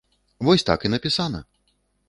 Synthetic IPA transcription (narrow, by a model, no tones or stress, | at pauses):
vɔsʲt̪a̰kinɐpʲisanɐ̰